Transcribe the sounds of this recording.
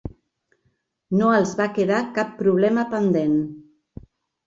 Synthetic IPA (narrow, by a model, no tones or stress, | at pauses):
noəlˠzβakeðakapːɾuβ̞lɛməpənd̪en